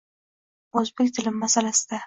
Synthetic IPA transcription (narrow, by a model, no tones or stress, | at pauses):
ɵzbekʲt̪ʰɪlɪmːasalasɪd̪̥a